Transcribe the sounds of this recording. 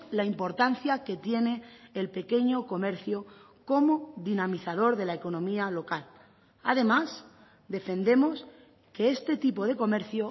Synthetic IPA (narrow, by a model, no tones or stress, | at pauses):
laimpo̞ɾt̪an̟θjake̞t̪je̞ne̞ːlpe̞ke̞ɲo̞ko̞me̞ɾθjo | ko̞mo̞ðinamiθað̞o̞ɾðe̞laeko̞nõ̞mialo̞kal | a̰ðe̞mas | d̪e̞fe̞nd̪e̞mo̞s | ke̞est̪e̞t̪ipo̞ð̞e̞ko̞me̞ɾθjo